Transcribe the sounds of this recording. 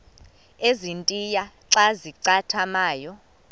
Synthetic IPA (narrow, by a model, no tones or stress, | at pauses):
ezintʼijaǁaziǀatʰamaːjɔ